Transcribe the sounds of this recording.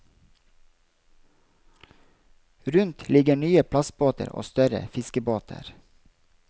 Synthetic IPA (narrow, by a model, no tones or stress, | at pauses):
ɾʉnt̪lɪɡəɳyːəpʰlɑsboːt̪ə̰ɾo̰ːst̪œɾə̰fɪskəboːt̪ʰə̰ɾ